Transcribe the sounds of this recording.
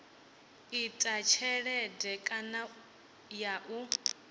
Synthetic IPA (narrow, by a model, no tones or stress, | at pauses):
itʼat͡ʃʰɛɺɛdɛkʼana | jaʔu